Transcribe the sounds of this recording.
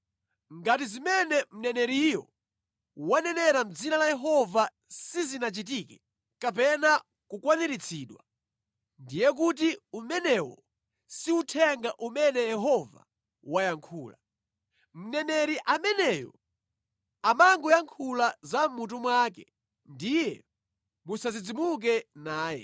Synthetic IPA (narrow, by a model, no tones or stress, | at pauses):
ŋɡatizimɛnɛm̩nɛnɛɾijɔ̰ | wanɛnɛɾam̩d͡zinalajɛɦɔva | sizinat͡ʃit̬iːkɛ̥ | kapɛna | kukwaniɾit͡sʰiɗwa̰ | ndijɛk̬utiumɛnɛwɔ̰ | siutʰɛŋɡaʔumɛnɛjɛɦɔva̰ | wajaŋkʰuːla̰ | m̩nɛnɛɾiʔamɛnɛjɔ̰ | amaŋɡɔjaŋkʰulazam̩mut̬umwak̬ɛ̰ | ndijɛ | musazid͡zimuk̬ɛnaːjɛ̰